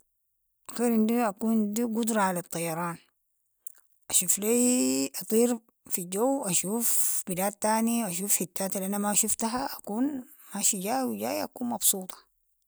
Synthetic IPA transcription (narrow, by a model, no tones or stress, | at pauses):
ʔxiɾʔind̪iʔakuːnd̪iɡud̪ɾˤɑʕalat̪ˤːɑjɑɾˤɑːn | ʔaʃuːflajʔɑt̪ˤiːɾ | fiɟowʔaʃuːfb̥ilaːt̪ːaːniʔaʃ̬uːfħit̪ːaːt̪alʔanamaʃuft̪aɦaʔakuːn | maʃiɟaːwiɟa̰ːja̰kuːnmɑbsuːt̪ˤɑ̥